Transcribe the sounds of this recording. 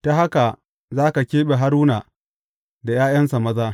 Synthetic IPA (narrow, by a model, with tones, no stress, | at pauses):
ta˦ɦa˦ka˨ | zaː˦ka˨kʲeː˦ɓe˨ɦa˦ɾuː˦na˨ | da˨jaː˦jɐ˦nsa˨mɐ˦zaː˦